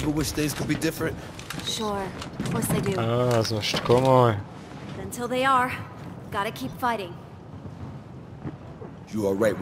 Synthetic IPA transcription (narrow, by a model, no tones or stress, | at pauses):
bəwɪt͡ʃθɪ̃ŋz̥kʰɨd̚bidɪfɹɨ̃nt | ʃʊɹkɔɹsaɪdʉazməʃtkɔmoj | ðɨ̃ntʰɪlˠðeɪə˞ | vɡɑɾɨkʰipfaɪɾɪ̃ŋ | jəəɹaɪt̚